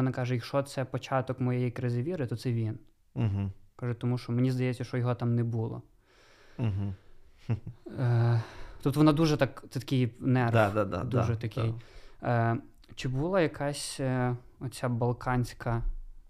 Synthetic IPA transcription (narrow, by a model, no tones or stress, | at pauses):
ɔnɑkɑʒɛjɐkʃɔt̪sɛpɔt͡ʃɑt̪ɔkmɔjɛjɛjkɾɪzɪʋʲiɾɪt̪ɔt̪sɛʋʲin | ɦ̩kɑʒɛt̪ɔmuʃt͡ʃɔmenʲizd̪ɐjɛt͡sʲːɐʃt͡ʃɔjɔɦɔt̪ɑmnɛbulˠɔ̰ | ɦ̩ | t̪ɔp̚t̪ɔʋɔnɑd̪uʒɛt̪ɑkt̪sɛt̪ɐ̥kʲɪjnɛrd̪ad̪a̰d̪ʒɛt̪ɐk̪ʲʰɪj | t͡ʃɪbulˠɑjɐkʰɑsʲ | ɔt̪ʲt͡sʲabɐlˠkʰɑnʲsʲkɐ